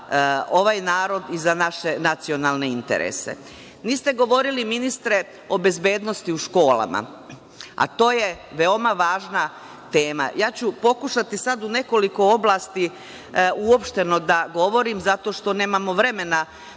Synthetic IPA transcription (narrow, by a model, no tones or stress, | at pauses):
o̞ʋaːjnaːɾo̞d̪izanaʃe̞nat̪sionaːlˠne̞int̪ḛɾʔḛse̞̰ | niːst̪e̞ɡo̞ʋo̞ɾiliminist̪ɾe̞ | o̞be̞zbe̞ːd̪no̞st̪iuʃko̞ːla̰ma̰ | a̰t̪o̞ːje̞ | ʋe̞o̞maʋaːʒna | t̪e̞ːma̰jaːt͡ɕupo̞kuʃat̪isad̪une̞ko̞liko̞o̞blˠaːst̪i | uopʃt̪e̞no̞d̪aɡo̞ʋo̞ɾimzat̪o̞ʃt̪o̞ne̞ːmamo̞ʋɾe̞me̞na